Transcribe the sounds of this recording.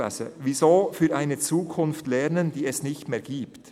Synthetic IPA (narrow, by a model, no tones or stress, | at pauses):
a̰sə̰vizoːfyːɾʔaɪnət͡suːkʰʊnftlɛʁnənd̥iːɛsnɪçtmeːɡ̥iːpt